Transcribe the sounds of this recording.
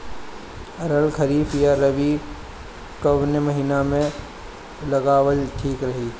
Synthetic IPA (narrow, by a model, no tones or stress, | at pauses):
ɐɾəlkʰɐɾiːfjaɾɐʋi | kɐʋnemɐɦiːnamẽ | lɐɡaːwəlʈʰiːkɾɐɦi